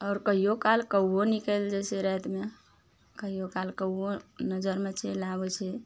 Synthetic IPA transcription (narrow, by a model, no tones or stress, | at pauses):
ɔːɾkəɦijokalkəonikəld͡ʒɛseɾɛt̪me | kəɦijokalkəwonəd͡ʒəɾmet͡ʃʰɛlabɛt͡ʃʰɛ